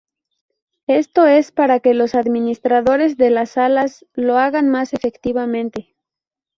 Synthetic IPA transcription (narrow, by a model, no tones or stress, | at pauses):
e̞st̪o̞e̞spaɾake̞lo̞saðmĩnist̪ɾaðo̞ɾe̞zðe̞lasalas | lo̞aɣanmase̞fe̞kt̪iβamẽ̞nt̪e̞